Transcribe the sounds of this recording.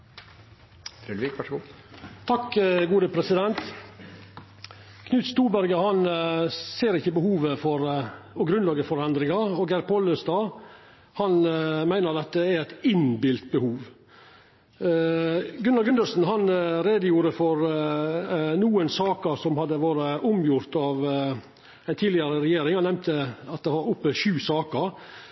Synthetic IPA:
t̪ʰɑkːɡuːd̪əpʰɾɛsɪd̪ɛnt̪ | kʰnʉːt̪st̪uːɾbæɾɡəhɑnseːɾɪçːəbəhuːʋəfɔɾɔɡɾʉnlɑːɡəfɔɾɛnd̪ɾɪŋɑɔɡæɾpʰɔləsd̪ɑː | hɑnmæɪnəɾd̪ɛt̪ːəæɾæɪt̪ɪnbɪlt̪̚bəhuːʋ | ɡʉnɑlɡʉnd̪əsn̩ɦɑnɾeːd̪əjuːɾəfɔɾ | nuːənsɑːkəɾsɔmhɑd̪ːəʋɑːɾəʔʊmjʊɾt̪ɑʋ | æɪnt̪ʰiːlɪəɾəɾɛjeːɾɪŋhɑnɛmt̪ʰəɑt̪̚d̪ɛʋɑɾʊpːəʃʉːsɑːkəɾ

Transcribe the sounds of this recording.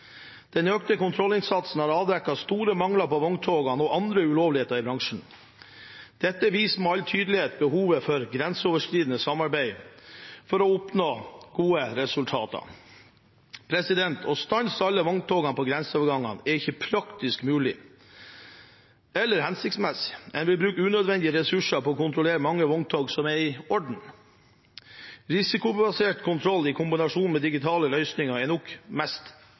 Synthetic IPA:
d̪̥ɛnøːkt̪əkʊnt̪ʰɾɔlɪnsɑt̪sn̩hɑɾɑːʋd̪ɾɛkːɑst̪uːɾəmɑŋlɑpɔʋɔŋt̪ʰoːɡɑnɔʔɑnd̪ɾəʉloːʋlɪheːt̪əɾɪbɾɑŋʂɳ̩ | d̪̥ɛt̪ːəʋiːsmoɑlt̪ʰyːd̪l̩ɪheːt̪̚bəhuːʋəfɔɾɡɾɛnsəoːʋəʂkɾiːd̪ənəsɑmɑɾbæɪ | fɔɾɔʊpnoːɡ̥uːəɾɛsʉlt̪ʰɑːt̪ɑ̰ | pʰɾɛsɪd̪ɛnt̪ʰɔst̪ɑnsɑlːəʋɑŋt̪ʰoːɡɑnpʰɔɡɾɛnsəɔːʋəɾɡɑŋːɑ̰nɛɾɪçəpʰɾɑkt̪ɪskmʉːlɪ | ɛlːəɾhɛnsɪkt̪smɛsɪ̥ɛnʋɪlbɾʉːkəʉːnœd̪ʋɛnd̪ɪəɾɛsʉʂɑpɔɔkʊnt̪ʰɾʊleːɾəmɑŋːəʋɔŋt̪ʰoːɡsɔmɛɾɪɔɖɳ̩ | ɾɪsɪkʊbɑseːʈkʰʊnt̪ʰɾɔlːɪkʰʊmbɪnɑʂuːnmɛd̪ɪɡɪt̪ʰɑːləlœʏsnɪŋɑɛnɔkmɛst̪

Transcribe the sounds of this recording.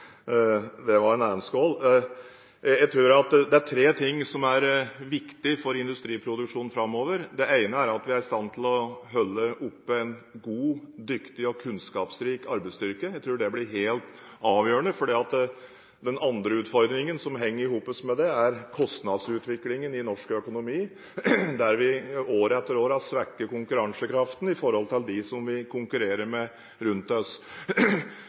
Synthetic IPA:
d̪ɛʋɑɾɛnæːnəskɔːlː | jæɡt̪ʰɾʉːɾɑt̪d̪ɛæʈʰɾeːt̪ʰɪŋːsɔmæɾʋɪkt̪ɪfɔɾɪnd̪ʉst̪ɾiːpʰɾʊd̪ʉkʂuːn̩fɾɑmːoːʋəɾd̪ɛʔæɪnəæɾɑt̪ʋɪæɾɪst̪ɑnːt̪ʰɪlɔɦœlːəʔʊpːəɛɪnɡuːd̪ʏkt̪ɪɔkʰʉnskɑːpsɾiːkɑɾbæɪst̪ʏɾkəjæɪt̪ʰɾʉːɖɛblɪɾɦeːlt̪ | ɑːʋjøːəɳəfɔɖiːɑt̪ | d̪ɛnɑnd̪ɾəʉːt̪fɔɾd̪ɾɪŋənsɔmɦɛŋːəɾɪɦuːpəsmɛd̪ɛæɾkʰɔst̪nɑd̪sʉːt̪ʋɪklɪŋənɪnɔʂkœkʊnʊmiː | d̪æɾʋɪoːɾəɛt̪ːəɾoːɾəɑsʋækːəkʊŋkʉɾɑŋsəkʰɾɑft̪n̩ɪfɔɾhɔlt̪ʰɪld̪ɪsɔmʋɪkʰʊŋkʉɾeːɾəɾmɛ | ɾʉnt̪ɔs

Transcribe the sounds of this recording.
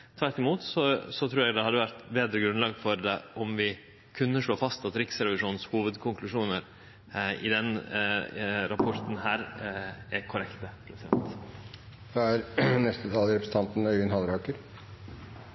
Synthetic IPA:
t̪ʰʋæɾʈːɪmuːt̪sɔsɔt̪ʰɾuːɾjɛɡd̪ɛhɑd̪ːəʋæɾt̪beːd̪ɾəɡɾʉnlɑːɡfɔɾd̪ɛʔɔmʋɪ | kʰʉnːəʂɭoːfɑst̪ɑt̪ɾɪksɾɛʋɪʂuːnshuːʋəd̪kʰʊŋklʉʂuːnəɾ | ɪ̰d̪ɛn | ɾɑpʰɔɾt̪n̩hæːɾɛkʰʊɾɛkt̪əpʰɾɛsɪd̪ɛ̰nt̪ | ʋɑæɾnɛst̪ət̪ʰɑːlɾɛpɾəsn̩ʰɑnt̪n̩œʏɡənhɑlɾɑːkəɾ

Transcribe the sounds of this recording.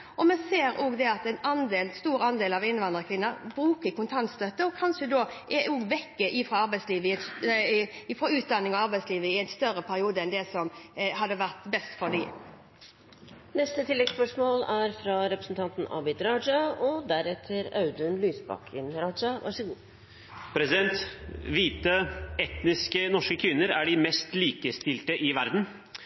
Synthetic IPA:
ʔɔmɛseːɾoːɡd̪ɛɑt̪ɛɪnɑnd̪eːlst̪uːɾɑnd̪eːlɑʋɪnːʋɑnd̪ɾʁəkʰʋɪnːəɾbɾʉːkəkʊnt̪ʰɑnt̪st̪œt̪ːəɔkʰɑnʃəd̪oːʔɛoːɡʋɛkːəʔɪfɾoːɑɾbæɪsliːʋəɪɛt̪ | ɪfɾɔʉːt̪̚d̪ɑnːɪŋɔɑɾbæɪtsliːʋəɪæɪnst̪œɾəpʰæɾɪuːd̪əɛnd̪ɛsɔmhɑd̪ːəʋæʁt̪bɛst̪fɔd̪i | nɛst̪ət̪ʰɪlːɛɡspœʂmoːlæɾfɾɑɾɛpɾəsn̩t̪ʰɑnt̪n̩ʔɑ̰bɪt̪ɾɑːd͡ʒɑɔd̪æɾɛt̪ʰəɾɑʉd̪ənlyːsbɑ̰kʰə̰nɾɑd͡ʒɑʋɑ̰ʂəɡuː | pʰɾɛsɪd̪ɛnt̪ʋiːt̪əɛt̪nɪskənɔʂkəkʰʋɪnːəɾæɖɪmɛst̪liːkəst̪ɪlt̪əʔɪʋæɾd̪n̩

